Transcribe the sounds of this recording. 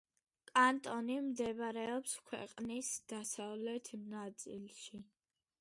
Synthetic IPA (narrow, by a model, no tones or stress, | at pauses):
kʼant̪ʼɔnimd̪ɛbɾɛɔpskʰwɛ̰qʼnisd̪̥asavlɛt̪ʰmnat̪sʼḭlʃi